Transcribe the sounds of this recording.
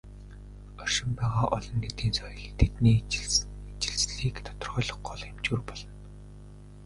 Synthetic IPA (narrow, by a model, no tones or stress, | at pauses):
ɔr̥ʃɪ̆mpæːʁaːʔɔɮɞ̆nːet̪iːnsɔjɞ̆ɮt̪ʰet̪niːet͡ɕɪ̆ɮt͡sɮiːkt̪ʰɔt̪ɞ̆rʁœːɮɞ̆χɢɔɮxemt͡ɕuːrpɔɮɞ̆n